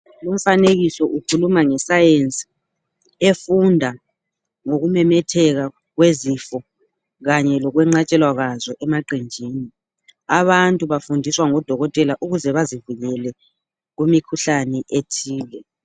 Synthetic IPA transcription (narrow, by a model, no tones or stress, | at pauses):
lum̩faneɣisɔʔukʰulumaŋɛsajent͡sʼi̥ | efundʱa | ŋoɣumɛmɛtʰɛɣa | ɣwezifɔ | ɣaɲɛlɔɣwɛŋ͡ǀat͡ʃʼɛlwaɣazɔʔɛmaǃind͡ʒʱiːni | aβantʼuβafundʱiswaŋɔd̥ʱɔɣɔtʼɛlaʔuɣuzɛβazivuɣɛlɛ | ɣumikʰuɬanɛʔetʰiːlɛ